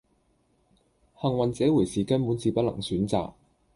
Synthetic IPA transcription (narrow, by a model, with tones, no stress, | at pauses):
hɐ˨ŋwɐ˨nt͡sɛː˨˥wu˨˩jsiː˨kɐ˥npuː˨˥nt͡siː˨˧pɐ˥t̚lɐ̰˨˩ŋsyː˨˥nt͡sa̰ː˨k̚